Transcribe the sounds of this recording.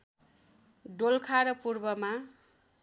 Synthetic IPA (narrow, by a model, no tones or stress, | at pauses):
ɖolkʰaɾʌpurbʌma